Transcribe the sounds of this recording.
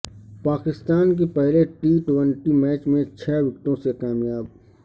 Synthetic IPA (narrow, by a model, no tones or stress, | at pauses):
paːkɪst̪aːnk̬epɛɦleʈiːʈwə̃ɳʈimɛːt͡ʃmẽt͡ʃʰɛːʋɪkt̪õsekaːmjaːb